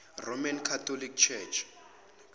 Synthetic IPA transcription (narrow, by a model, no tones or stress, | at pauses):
romankʰatʰɔlik̚t͡ʃʰɛt͡ʃʰ